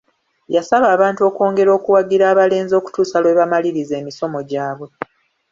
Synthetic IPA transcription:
jasaβaːβaːntuo̞ːko̞ːŋɡe̞ɾo̞ːkuwaɡiɾaːβale̞ːnzo̞ːku̥tuːsalweβamaliɾize̞ːmiso̞mo̞ɟaːβwe̞

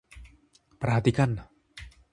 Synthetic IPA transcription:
pɾaɦat̪ːikan

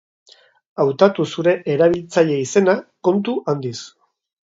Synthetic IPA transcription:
awt̪at̪usuɾe̞ʔeɾaβ̞ilt͡saʎe̞ise̞nako̞nt̪uʔand̪is

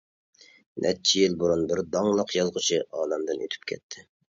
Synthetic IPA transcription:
nʔɛ̰t͡ʃʰijilbuɾunbɪɾd̪ɑŋlˠɑqjɑzʁʊt͡ʃʰiʔɑːlɛmd̪ɨnøt̪ʰy̥p̚kʲʰɛ̰t̪ʰːɪ

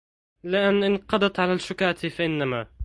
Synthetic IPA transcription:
lɪʔanːʔɪnqɑd̪ɑt̪ʕalaːʃʊkaːt̪ɪfaʔɪnːamaː

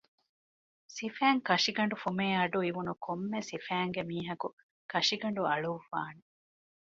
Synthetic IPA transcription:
sifæːŋkɐʂiɡɐɳɖufumeːɐɖuiʋunukʰomːesifæːŋɡemiːɦɐku | kɐʂiɡɐɳɖuɐɭufa̰ːne

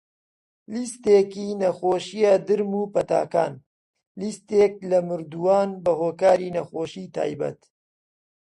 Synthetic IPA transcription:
list̪eːkiːnɐxoːʃijad̪ɨɾmuːpɐt̪a̰ːka̰ːn | list̪eːk̚lɐmɨɾd̪uwaːnbɐɦoːkaːɾiːnɐxoːʃiːt̪ʰa̰ːjbɐ̰t̪

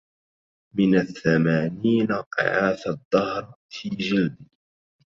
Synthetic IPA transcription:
mɪnaθːamaːniːnaqɪ̰ʕaːθad̪ˤːɑhɾ | fiːd͡ʒɪld̪ɪ

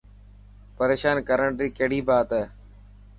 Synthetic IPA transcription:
pəɾeːʃaːnkəɾəɳɖɾiːkeːɽiːbaːt̪ə

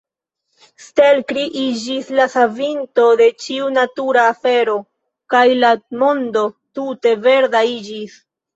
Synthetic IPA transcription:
ste̞lkɾiʔid͡ʒislasavintode̞t͡ʃiunatuɾaːfe̞ɾo̞ | kajlamo̞ndo̞tute̞ve̞ɾdaid͡ʒis

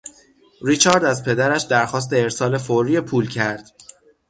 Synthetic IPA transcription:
ɾit͡ʃʰɒːɾd̪æzpʰe̞d̪æɾæʃd̪æɾxɒːs̬t̪e̞eɾsɒːle̞foɾiːepʰuːlcʰæɾd̪̥

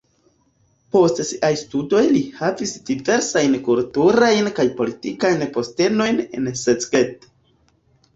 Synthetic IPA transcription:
po̞stsiʔajstudo̞jlihavisdive̞ɾsajnkultuɾajnkajpo̞litikajnpo̞ste̞no̞jne̞̰nset͡sɡet

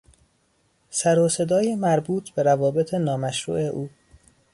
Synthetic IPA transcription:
sæɾose̞d̪ɒːjemæɾbuːt̪ʰb̥e̞ɾævɒːbet̪ʰenɒːmæʃɾṵːʔe̞ʔuː

